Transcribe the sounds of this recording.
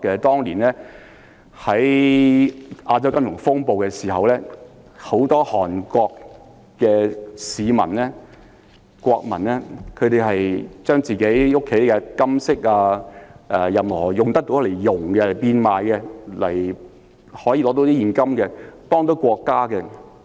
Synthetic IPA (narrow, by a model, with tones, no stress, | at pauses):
kːɛ˧t̪ɔː˥ŋliː˨˩nlɛː˥ | hɐ˨˥j | ʔaː˧t͡sɐ˥wkɐ˥mjʊ˨˩ŋfʊ˥ŋpo˨wkɛ˧siː˨˩ɦɐ˨wlɛː˥ | ho˨˥wt̪ɔː˥hɔː˨˩nkʷɔː˧kː | ɛː˧siː˨˧mɐ̰˨˩nlɛː˥ | kʷɔː˧k̚mɐ̰˨˩nɛː˥kʰɵ˨˧t̪e˨jɦɐ˨jt͡ʃœː˥ŋt͡siː˨ke˨˥jʊ˥kʰːe˨˥jkɛ˧kɐ˥msɪ˥k̚aː˧ʔɛː˨˩jɐ˨mhɔː˨˩jʊ˨ŋt̪ɐ˥k̚t̪o˧˥wle˨˩jːʊ˨ŋɡɛ˧lɐ˨˩piː˧nmaː˨jkɛ˧lɐ˨˩j | hɔː˨˥ji˧lɔː˨˧˥t̪o˨˥wt̪i˥iː˨˩nkɐ˥mkɛ˧t̪ɔː˥ŋt̪o˨˥wkʷɔː˧kːaː˥kɛ˧